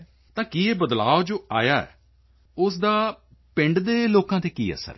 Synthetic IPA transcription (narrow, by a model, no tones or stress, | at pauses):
t̪ãːkiːeːbəd̪laːod͡ʒoːaːjaːɛ̰ː | ʊsd̪aː | pɪ̃ɳɖd̪eːloːkãːt̪eːkḭːə̰sə̰ɾ